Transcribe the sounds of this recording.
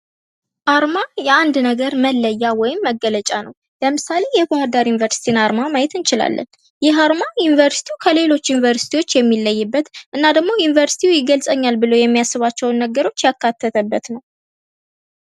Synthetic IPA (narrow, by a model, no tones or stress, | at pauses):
ʔaɾmajɛand̪nəɡəɾməlːəjːawɔjɪmːəɡələt͡ʃʼanəw | ləmɨsale̞jɛbohad̪aɾjunivəɾsi̥t̪ʰinaɾmaməajɛt̪ɨnt͡ʃɪla̰lːʔə̰n | jɪɦaɾmajunivəɾsi̥t̪ʰiukʰəle̞lo̞t͡ʃːjunivəɾsit̪ʰiwo̞t͡ʃːjɛmːilːəjːɨbːət̪ʔɨnːad̪əɡmo̞junivəɾsi̥t̪ʰiujɪɡəlsʼəɲːalbɨləwjɛmːijasːɨβat͡ʃːɛwnːəɡəɾo̞t͡ʃːjakːat̪ʰːət̪ʰəbːət̪nəw